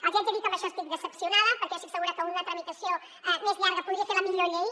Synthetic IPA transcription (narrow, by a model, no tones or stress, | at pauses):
akiad͡ʒ̪eɾit̪amaʃɔst̪ik̪̚ðəsəpsjunaðɐpəɾkɛasiksəɣuɾakəunɐt̪ɾɐmit̪asjo | ɛmezʎaɾɣɐpuðɾiaseɾlamiʎoʎej